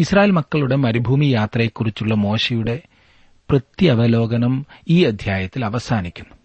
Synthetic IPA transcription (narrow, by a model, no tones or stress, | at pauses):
israːjeːlmɐkːɐɭuɽe̞mɐɾibʱuːmijaːt̪rɐjekːurit͡ɕːuɭːɐmo̞ːɕejuɽe̞ | prɐt̪jiɐʋɐlo̞ːɡɐnɐmiːɐd̪ʱjaːjɐt̪ːilɐʋɐsaːnikʲːunːu